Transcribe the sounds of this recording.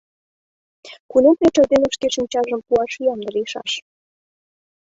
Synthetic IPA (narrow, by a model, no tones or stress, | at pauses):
kunomplʲeʈ͡ʂɑd̪enəʃkeʃimt͡ɕɑʒə̆mpuɑʃyjɑmd̪ə̆ɾiʃɑ̰ʃ